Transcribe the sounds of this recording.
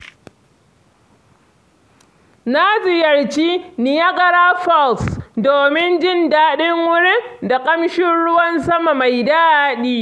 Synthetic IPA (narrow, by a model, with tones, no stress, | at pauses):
naː˦zɪ˦˨jɐ˨rt͡ʃiː˦nɪ˨ja˦ɡɐ˦ɽaː˦ɸɔ˦˨lsdoː˨mɪ˦nd͡ʒɪ˦ndaː˦ɗɪ˦ŋwʊ˦ɽɪ˦da˨kʼɐ˦mʃɪ˦nɽʊ˦wɐ˦nsɐ˦ma˨ma˨jdaː˦aː˦ɗiː˦